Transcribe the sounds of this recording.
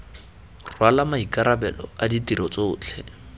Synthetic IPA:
rwalamaikaɾabɛlɔ̰aditiɾɔt͡soːt͡ɬʰɛ

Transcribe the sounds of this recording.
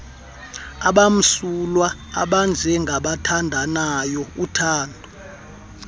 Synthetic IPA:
aɓam̩sulwa | a̰ɓand͡zʱɛŋɡʱaɓatʰandʱanajɔutʰaːndʱu

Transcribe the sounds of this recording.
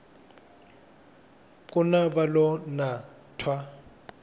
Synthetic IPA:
kʼʊnabalɔna | tʰwa

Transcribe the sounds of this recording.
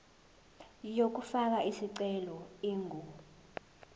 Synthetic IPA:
jok̬ufak̬aisiǀɛlɔiːŋu

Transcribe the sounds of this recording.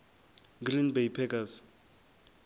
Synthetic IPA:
ɡrinbejpʰɛkas

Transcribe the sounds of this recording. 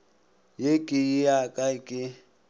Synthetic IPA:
jekʼɪjɪjakʼaɪkʼɪ

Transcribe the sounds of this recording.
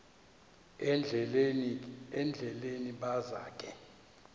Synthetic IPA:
ɛnd͡ɮʱɛleniɓaza̰ːkʼɛ

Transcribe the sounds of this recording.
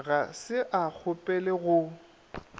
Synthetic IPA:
ɣasɪʔak͡xʰʊpʼɛlɪɣʊ

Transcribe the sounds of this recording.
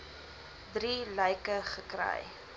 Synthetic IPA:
dɾiləjkəχəkrə̰j

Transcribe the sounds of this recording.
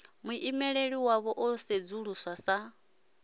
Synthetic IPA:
muʔimɛɺeɺiwaβɔʔɔsed͡zuɺuswasa

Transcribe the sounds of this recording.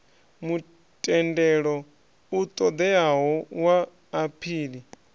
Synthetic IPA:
mu | tʼɛndɛɺɔ | ut̪ʼɔd̪ɛaɦɔwaː | pʰiːli

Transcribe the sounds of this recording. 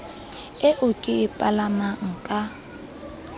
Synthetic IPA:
ɪʔʊkʼɪɪpʼalamaŋ̩kʼa

